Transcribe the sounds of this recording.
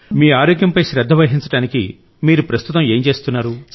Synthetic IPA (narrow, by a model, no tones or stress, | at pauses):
miːaːɾoːɡjɐmpɐjʃɾɛd̪ʱːɐʋɐɦiɲt͡ʃɐʈaːnikḭ | miːɾupɾɐst̪ʰut̪ɐme̞ːɲt͡ʃe̞ːst̪unːaːɾu